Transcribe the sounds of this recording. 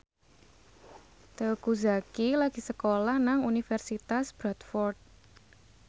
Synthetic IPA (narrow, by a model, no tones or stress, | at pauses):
t̪ekuzakilaɡ̥i̤səkolahnaŋunifɛrsit̪asb̥ɾat̪fɔrt̪̚